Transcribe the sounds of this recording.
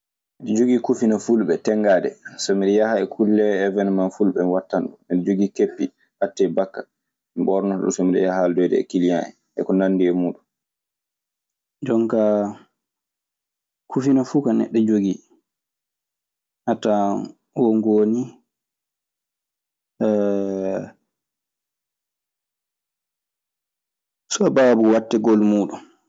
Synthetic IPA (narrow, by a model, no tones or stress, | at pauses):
ɗɛd͡ʒoɡiːkufinafulɓɛtɛŋɡaːdɛ̰somiɗɛjahaɛkʰulːɛːvɛnmanfulɓɛwatːanɗumiɗɛd͡ʒoɡikepːi | ʔatːɛbakːa | mibɔɾnɔɗṵsɔmiɗɛ̰jaɦaldɔjdɛ̰kilijaɛ̰ | ʔɛ̰kɔnanːdiɛmuːɗun | d͡ʒɔŋka | kʰufinafuːkanɛ̰ɗːɛd͡ʒoɡi | ʔata | wɔŋɡoni | sɔbaːbuwatːɛɡɔlmuːɗun